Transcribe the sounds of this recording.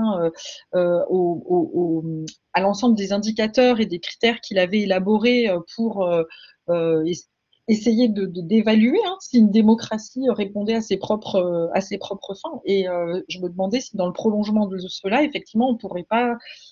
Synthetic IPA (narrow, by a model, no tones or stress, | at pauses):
ɛ̃øøooo | alɑ̃sɑ̃bləd̪ezɛ̃d̪ikat̪œʁed̪ekχi̥t̪ɛʁkʲʰilavɛelabɔʁeøpʰuʁø | øe | esejed̪əd̪əd̪evalyeɛ̃siynd̪emɔkχasiøʁepɔ̃d̪ɛasepχɔpχøa̰sepχɔpχəfɔ̃eøʒəməd̪əmɑ̃d̪ɛsid̪ɑ̃ləpχɔlɔ̃ʒmɑ̃d̪əlsəlaefɛk̚t̪ivmɑ̃ɔ̃puʁɛpa